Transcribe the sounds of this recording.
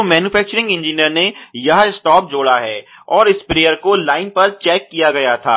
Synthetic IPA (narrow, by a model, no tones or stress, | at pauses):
mɛːnjuːfɛːk̚t͡ʃəɾɪ̃ŋɡɪ̃nd͡ʒiːnijəɾnejɐɦɪsʈɔːp̚d͡ʒoːɽaɦɛː | ɔːɾɪspɾeːəɾkolaːɪnpɐɾt͡ʃɛːkːijaɡɐjat̪ʰaː